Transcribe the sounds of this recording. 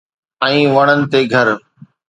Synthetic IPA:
ɛ̃ːʋɐɽ̃ənɪ̆t̪eɡʱɐɾ

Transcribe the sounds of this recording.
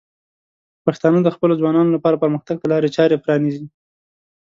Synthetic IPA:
paxt̪ɑnəd̪əxpəlozwɑnɑnolapɑɾapəɾməxt̪aɡ̚t̪əlɑɾet͡ʃɑɾepɾɑnizi

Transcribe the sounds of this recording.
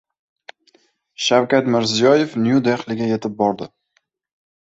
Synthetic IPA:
ʃawkʲat̪mɪɾzijɒje̞fnjud̪eχlɪɡʲaje̞t̪ʰɪp̚bɒɾd̪ɪ

